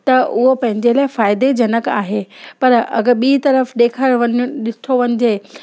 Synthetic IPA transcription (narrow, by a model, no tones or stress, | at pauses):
t̪ɐʔʊɦopɐ̃ɦɪ̃ɲd͡ʑelaːɪfaːɪd̪ed͡ʑɐnəka̰ːɦeːpɐɾɐ̰ɡəɓiːt̪ɐɾəfɗ̪eːkʰəɾʋɐɗɪst̪ʰoʋɐɲɪ̆d͡ʑeː